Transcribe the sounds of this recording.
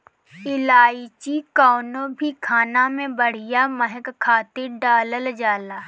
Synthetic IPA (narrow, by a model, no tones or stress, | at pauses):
ɪlaːit͡ʃikaːnõbʱikʰaːnamẽbəɽ̤ɪjaməɦkkʰːaːt̪ɪɾɖaːləld͡ʒaːlaː